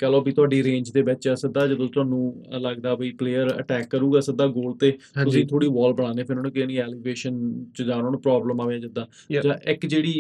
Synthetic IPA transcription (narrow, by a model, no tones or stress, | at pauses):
kɛːloːbiːt̪ʊaːɖiːɾẽːɲd͡ʒt̪eːbɛːt͡ʃaːsək̚d̪aːd͡ʒə̃t̪ot̪ʊaːnũːləɡd̪aːbəiːpleːəɾə̰ʈɛːkːəɾuːɡaːsək̚d̪aːɡoːlt̪eːʊsĩːt̪ʰoːɽiːbɔːlbəɽ̃aːneːpʰɪɾoːnkɪnĩːɛːliːbeːʃənt͡ʃəd͡ʒaːnoːnpɾɔːbləmaːʋeãːd͡ʒəd̪aː | d͡ʒãːʔɪkd͡ʒeːɽiː